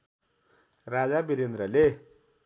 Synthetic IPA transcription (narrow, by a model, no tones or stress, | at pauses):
rad͡zabiɾend̪rʌle